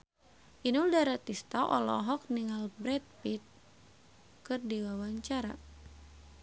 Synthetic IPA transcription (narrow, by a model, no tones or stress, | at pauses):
ʔinuldaɾat̪ist̪aʔɔ̰lɔ̰ɦɔk̚niŋalbɾɛt̪̚pit̪̚ | kɨrdiwawaɲt͡ʃaɾa̰